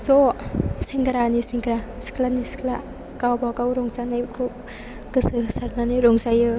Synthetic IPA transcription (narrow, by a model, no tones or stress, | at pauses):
zɔsiŋɡɾanisiŋkɾasi̥klaniskʰla̰ | kawbakawɾɔŋsanajkʰɯ | ɡɯsɯsaɾnanɯjɾɔŋsajɯ